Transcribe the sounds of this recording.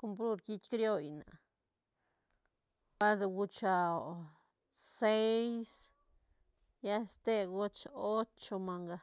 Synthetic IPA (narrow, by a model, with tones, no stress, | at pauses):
ko˧mp̬lu˦ɾki˦t͡ʃkɾjo˦˧jna̰˨ | pa˦d̪ɡu˧t͡ʃa˨ | se˦js | ja˦st̪e˦˧ɡo˦t͡ʃo˦t͡ʃo˧ma˧ŋɡa˧